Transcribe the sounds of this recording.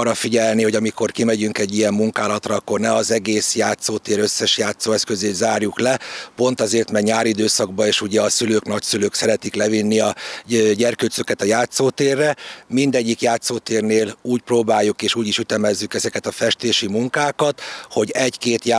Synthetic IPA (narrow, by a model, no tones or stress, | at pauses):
rːɒfiɟɛlniho̞ɟɒmiko̞rkimɛɟyŋkɛɟːijɛmːuŋkaːlɒt̪rɒɒkːo̞rnɛɒzɛɡeːsjaːt̪soːt̪eːɾø̞sːɛʃjaːt̪soːɛskø̞zeːt̪zaːrjuklɛpo̞nt̪ɒzeːrt̪mɛɡɲaːɾid̪øːsɒɡ̚bɒeːʃuɟɛɒsyløːknɒcsyløːksɛɾɛt̪iklɛvinːiɒɟɛrkøːt̪søkɛt̪ɒjaːt̪soːt̪eːrːɛmind̪ɛɟːikjaːt̪soːt̪eːrneːluːcproːbaːjːukeːʃuːɟiʃyt̪ɛmɛzːykɛzɛkɛt̪ɒfɛʃt̪eːʃimuŋkaːkɒt̪ho̞ɟɛɟkeːt̪j